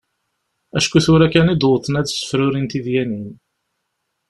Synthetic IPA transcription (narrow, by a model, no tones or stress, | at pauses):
æʃkuθʊɾækːænid̪oθənæðsə̥fɾʊɾint̪iðjænin